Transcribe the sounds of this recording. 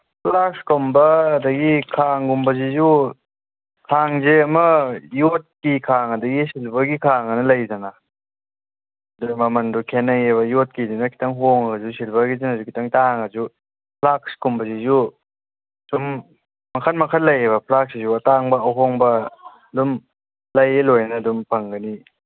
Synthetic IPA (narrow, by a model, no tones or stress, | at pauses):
pʰlakskombɐːdɐɡikʰaŋɡumbɐzizu | kʰaŋzeɐmɐjot̚kikʰaŋɐdɐɡisilbɐɡikʰaŋɐnɐlɐjzɐna | dumɐmɐndukʰenɐjeβɐjot̚kidinɐkʰi̥tʰɐŋɦoŋɐzusilbɐɡizenazukʰi̥tɐŋtaŋɐzu | pʰlak̚skumbɐzizu | sum | mɐkʰɐnmɐkʰɐtlɐjeβɐpʰlaksizuɐtaŋbɐɐwɦoŋbɐː | dum | lɐjelojnɐdumpʰɐŋɡɐni